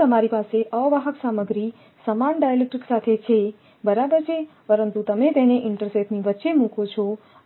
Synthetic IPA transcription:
əmaɾipaseʔəʋəɦəksaməɡɾi | səmanɖajəlek̚ʈiksat̪ʰet͡ʃʰe | bəɾabəɾt͡ʃʰe | pəɾənt̪ut̪əmet̪eneʔɪɳʈəɾseʈniʋətːʃemũkʰot͡ʃʰo

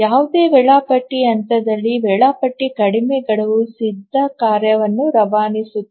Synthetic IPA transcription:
jaːʋud̪eːʋɛɭaːpɐʈːiɐnt̪ɐd̪ɐlːiʋɛɭaːpɐʈːikɐɽimɛɡɐɭɐʋusid̪ʱːɐkaːɾjɐʋɐnːuɾɐʋaːnisuː

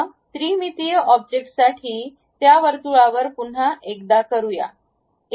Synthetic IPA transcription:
t̪ɾiːmit̪ijəʔɔb̚d͡ʑek̚ʈsaʈʰiː | t̪jaʋəɾt̪uɭaʋəɾpun̤aʔekd̪akəɾuja̰

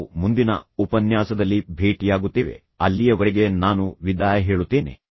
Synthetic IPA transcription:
mund̪inɐ̰upɐnjaːsɐd̪ɐlːibʱe̞ːʈijaːɡut̪ːiːʋe̞̰ | ɐlːijɐʋɐɾɛɡe̞naːnuʋid̪aːjɐɦeːɭut̪ːeːne̞̰

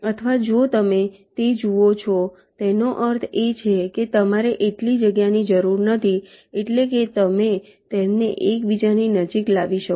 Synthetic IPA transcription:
ət̪ʰəʋad͡ʒot̪əme | t̪ed͡ʒuot͡ʃʰɔ | t̪enoʔəɾt̪ʰet͡ʃʰeket̪əmaɾeʔeʈlid͡ʒəɡjanid͡ʒəɾuɾnət̪ʰi | eʈleket̪əme | t̪emneʔekbid͡ʒaninəd͡ʒiklaʋiʃə

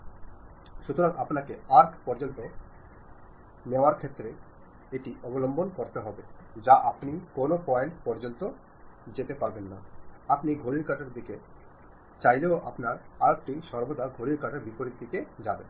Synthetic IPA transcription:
ʃut̪oɾaŋʔapnakeaɾkʰpɔɾd͡ʑont̪o | neoaɾkʰet̪ːɾe | eʈiʔɔbolombonkoɾt̪eɦɔbed͡ʑaʔapnikonopɔeɳʈpɔɾd͡ʑont̪o | d͡ʑet̪epaɾbenːa̰apniɡʱoɽiɾkaʈaɾd̪ike | t͡ɕajleoʔa̰pnaɾaɾek̚ʈiʃɔɾbod̪aɡʱoɽiɾkaʈaɾbipoɾiɾd̪ʱiked͡ʑaben

